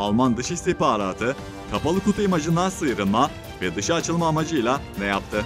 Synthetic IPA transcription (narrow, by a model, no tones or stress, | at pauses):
alˠmand̪ɯʃist̪ihpaːɾaːt̪ʰɯ | kʰapalˠɯkut̪ʰaimad͡ʒɯnd̪ansɯjɾɯnˠma | vɛd̪ɯʃaːt͡ʃʰɯlˠmaːmad͡ʒɯjlʲˠanɛjap̚t̪ʰɯ